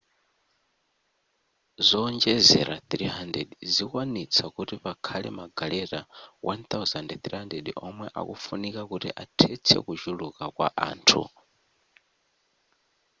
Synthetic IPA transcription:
zɔːɲd͡ʒɛzɛ̰ɾaθɾiɦandɛdizikwanit͡sʰakutiβakʰalɛmaɡalɛɾawʔant̪auzandɛθɾihandɛdiʔɔmwɛʔa̰kufunikakutiʔatʰɛt͡sʰɛ̰kud͡ʒulukakwa̰ʔa̰ːntʰṵ

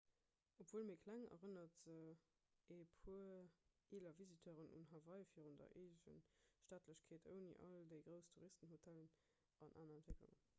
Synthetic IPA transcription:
opʰv̥uːlmiːkʰlæŋɐ̰ʁənɐtə | epʰuə | eːlɐvizitʰøːʁənṵnɦɑvɑɪfiːəʁundɐ̰ʔeːəɕə̰nʃtaːtʰləɕkʰeːtʰə̰ʊnḭʔɑldəɪɡʁəʊstʰuʁistənɦhotʰælən | ɑnʔa̰ːnɐɛntv̥eklṵŋə̰n

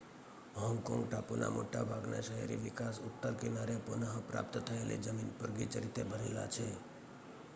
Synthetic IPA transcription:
ɦɔ̃ŋɡkɔ̃ŋɡʈapunʔa̰moʈabʱaɡna̰ʃəɦḛɾiʋɪkasʊt̪ːəɾkenaɾepunəɦəpɾa̰pt̪t̪ʰəelḭd͡ʒəminpəɾɡit͡ʃəɾit̪ebʱəɾela̰t͡ʃʰe

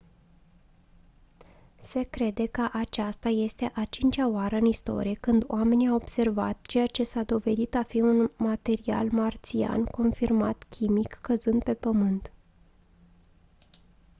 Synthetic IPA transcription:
se̞kɾe̞d̪e̞kəʔat͡ʃast̪aje̞st̪e̞ʔat͡ʃint͡ʃʲaoaɾəɨnist̪o̞̰ɾijekɨnd̪o̰ame̞niawo̞b̥se̞rva̰t̪t͡ʃe̞jat͡ʃe̞sad̪o̞ve̞d̪it̪afiunmat̪e̞ɾia̰lmart̪sia̰nko̞nfirma̰t̪kʲʰimikːəzɨnd̪̚pe̞pəmɨnt̪

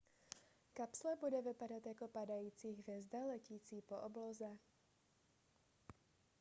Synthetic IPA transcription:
kapslɛbudɛvɪpad̪at̪akɔpad̪ajuːt͡siːɣvɛzd̪alɛciːt͡siːpɔʔɔblɔzɛ

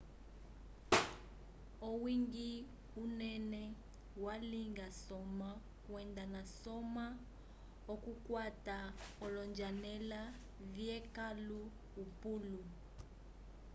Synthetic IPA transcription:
owiŋɡi | unɛnɛ | waliŋɡasɔma | kwɛndanasɔma | ɔkukwataɔlɔnd͡ʒanɛla | viɛkaluː | pulu

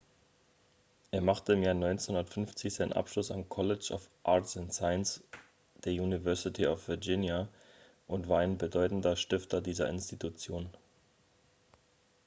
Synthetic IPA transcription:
ʔeːɐmaχtəɪmjaːɐnɔʏnt͡snhʊndɐtfʏnft͡sɪçz̥aɪnə̰nʔa̰pʃlʊsa̰mkʰɔlɪt͡ʃa̰ʊfʔaɐtsɪntsaɪəns | d̥eːɐjuːnivɛɐsɪtʰiafv̥ɪɐd͡ʒɪnja | ʔʊntv̥aːɐaɪnbədɔʏtn̩dɐʃtɪftɐdiːzɐ̰ʔɪ̰nstitut͡sjoːn

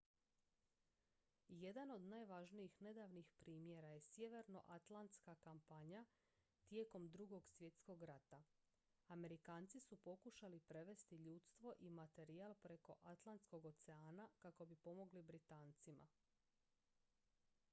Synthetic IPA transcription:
je̞d̪ano̞d̪naːjʋaʒnijixne̞d̪aːʋnixpɾiːmje̞ɾaje̞sje̞ʋeɾno̞̰ʔat̪lant̪skakampaɲa | t̪je̞ːko̞md̪ɾuɡo̞ɡsʋje̞t̪sko̞ɡɾat̪a | ame̞ɾikaːnt̪sisupo̞kuʃalipɾe̞ʋe̞st̪iʎuːt̪st̪ʋo̞ʔimat̪e̞ɾialpɾe̞ko̞ʔat̪lˠant̪sko̞ɡo̞t̪seaːnakako̞bipo̞mo̞ɡlibɾit̪aːnt̪sima̰

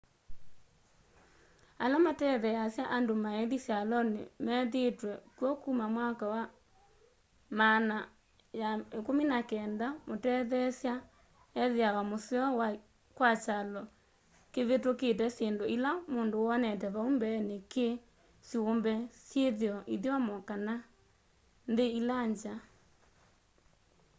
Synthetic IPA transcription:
alamatɛðɛjasjaʔandomaeðisjalɔnḛmɛðetwɛkwɔkumamwakawa | mana | jaekominakɛːndamotɛðɛsja | ɛðeawamoseɔwa | kwat͡ʃalɔ | keβetoket̬ɛseːndoilamoːndoɔnɛt̬ɛβaumbɛneke | sjombɛsjeðeɔʔiðjwamɔkana | ndeilaɲd͡ʒa

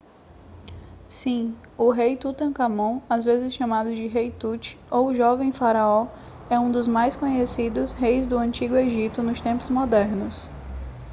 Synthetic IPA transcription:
sĩ | ʊɦejt̪ut̪ɐ̃kamõazvezɪsʃamad̪ʊd͡ʒɪɦejt̪ut͡ʃɪ̥owʒɔvẽj̃faɾaɔ | ɛũd̪ʊzmajskõɲesid̪ʊshejzd̪ʊɐ̃nt͡ʃiɡʊeʒit̪ʊnʊst̪ẽmpʊzmɔd̪ɛɾnʊs

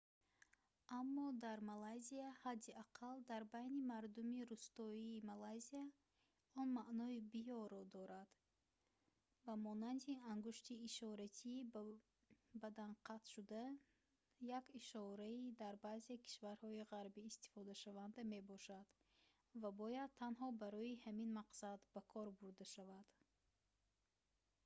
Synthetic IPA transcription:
amːɔd̪aɾmalajziahad̪ːiaqʰald̪aɾbajnimaɾd̪umiɾust̪ɔiːmalajzia | ɔnmaʔnɔibijɔɾɔd̪ɔɾad̪̥ | bamɔnand̪iaŋɡuʃt̪iːʃɔɾat̪ʰi | bæd̪anqʰat̪ʃud̪a | jakiʃɔɾaid̪aɾbazekʰi̥ʃvaɾhɔiʁaɾbiːst̪i̥fɔd̪aʃavand̪ame̞bɔʃad̪̥ | vabɔjad̪̚t̪ʰːanɦɔbaɾɔihæminmaqsad̪bakʰɔɾbuɾd̪aʃavad̪̥

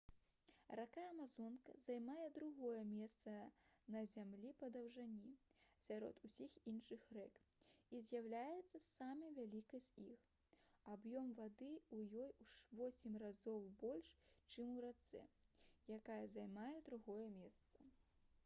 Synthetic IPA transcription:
rakajɐmazɔnkɐ̰zajmajɛd̪ɾuɣɔjɛmʲɛst̪sɐnɐzʲamlʲipɐd̪ɐwʐanʲisʲaɾɔ̰t̪usʲixinʂɨxrɛkizʲjawlʲajɛt̪sːɐsamɐvʲalʲikɐsʲix | abjɔmvad̪ɨujɔjuʂvɔsʲɛmʲrazɔwbɔlʲʂt͡ʂɨmuɾat̪sɛ̰jakajɐzajmajɛd̪ɾuɣɔjɛmʲɛst̪sɐ

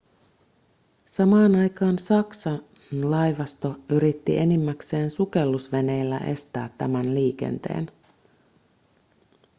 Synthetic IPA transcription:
sɑmɑːnɑjkɑːnsɑksɑ | nlɑjʋɑst̪o̞yɾit̪ːḭʔe̞nimːækse̞ːnsuke̞lːusʋe̞ne̞jlːæʔe̞̰st̪æːt̪ːæmænliːk̟e̞̰nt̪e̞̰ːn

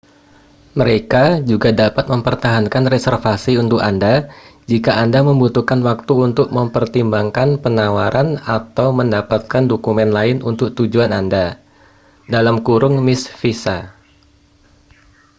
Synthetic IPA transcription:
məɾekad͡ʒuɡadapat̪̚məmpərt̪aɦankanresɛrfasiunt̪ʊkandad͡ʒikaʔandaməmbut̪ukanwak̚t̪uunt̪ʊk̚məmpərt̪imbaŋkanpənawaɾʔanat̪awməndapat̪̚kandokumɛnlaɪnunt̪ʊk̚t̪ud͡ʒuananda | dalamkuɾʊŋmɪsfisa

